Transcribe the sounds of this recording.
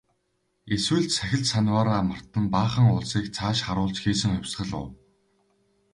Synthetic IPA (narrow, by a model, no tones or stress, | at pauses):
eswɘ̆ɮt͡ɕsæxʲɪ̆ɮsanʲwaːɾaːmə̆r̥t̪ə̆npaːχə̆ŋʊɮsiːkt͡sʰaːʃχaɾʊːɮt͡ɕxiːsɘ̆ŋχœwʲsɢə̆ɮʊ̰w